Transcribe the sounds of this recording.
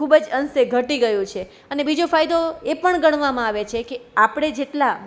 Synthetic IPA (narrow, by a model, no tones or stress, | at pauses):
ubəd͡ʒənseɡʱəʈiɡəjũt͡ʃʰe | ənebid͡ʒofajd̪oepəɳɡəɳ̃ʋamãaʋet͡ʃʰekeapɽ̃ed͡ʒeʈla